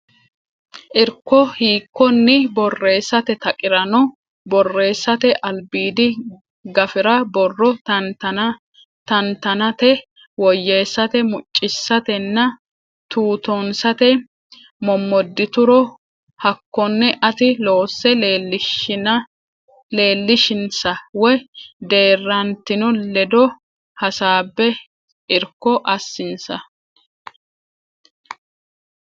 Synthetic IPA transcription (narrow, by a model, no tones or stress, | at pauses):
ʔɪɾkːɔhiːkːɔnːɪbɔrːe̞ːsːɐt̪ɛt̪ɐkʼɪɾɐnɔ | bɔrːe̞ːsːɐt̪ɛʔɐlbiːd̪ɪ | ɡɐfɪɾɐbɔrːɔɐt̪ɐ | t̪ɐnt̪ɐnɐt̪ɛ | wɔjːeːsːɐt̪ɛmʊt͡ʃʼːɪsːɐt̪ɛnːɐ | t̪uːt̪ɔnsɐt̪ɛ | mɔmːɔd̪ːɪt̪ʊɾɔ | hɐkːɔnːɛʔɐt̪ɪlo̞ːsːɛl | le̞ːlːɪʃɪnsɐwɔjd̪e̞ːrːɐnt̪ɪnʊlɛd̪ɔ | hɐsaːbːɛ | ɪɾkːɔʔɐsːɪnsɐ